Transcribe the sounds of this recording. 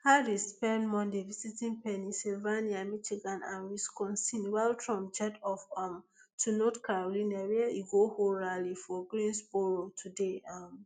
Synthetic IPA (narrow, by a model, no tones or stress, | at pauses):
hadispɛ̃nmɔ̃ndevisitĩnpɛnisilvaniamiʃiɡãnã̰nwiskɔ̃nsinwalɹɔ̃md͡ʒɛtɔfɔmtʰunɔtkaɹolĩnawiɛʔiɡohoɹalifɔɡɹĩnsboɹotʰudeam